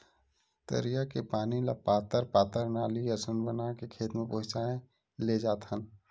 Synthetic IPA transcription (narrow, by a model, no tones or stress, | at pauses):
t̪ə̰ɾijakepaːnilapaːt̪əɾp̪aːt̪əɾnaːliəsənbənakekʰeːt̪mẽpəɦʊt͡ʃaːẽ | led͡ʒaːt̪ʰən